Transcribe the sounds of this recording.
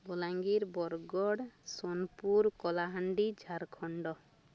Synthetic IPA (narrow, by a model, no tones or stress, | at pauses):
bɔlaŋɡiɾbɔɾɡɔɽsonpuɾkɔlaɦaɳɖid͡ʒʱaɾkʰɔɳɖɔ